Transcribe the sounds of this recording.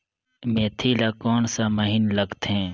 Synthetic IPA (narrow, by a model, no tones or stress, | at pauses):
meːt̪ʰilaːkɔːnsaməɦinlɐɡt̪ɦɛ̃ː